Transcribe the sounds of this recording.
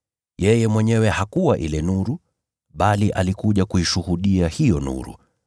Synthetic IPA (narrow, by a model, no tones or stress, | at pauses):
jɛjɛmwɛɲɛwɛhakuwaʔilɛnuɾu | ɓaliʔalikuʄakuiʃuhuɗiahijɔnṵɾṵ